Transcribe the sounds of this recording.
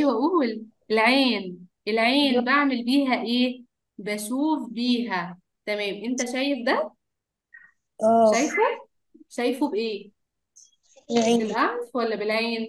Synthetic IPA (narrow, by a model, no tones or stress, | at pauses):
wæʔuwlʔelʕeːnʔelʕeːnbaʕmelbiːɦæʔeː | bæʃuːfbiːɦæ | t̪æmæːmʔent̪æʃæːjefd̪æ | ʔæːʃæjfo | ʃæjfobʔeː | ʕeːbelʔæmfwælːæbelʕeːn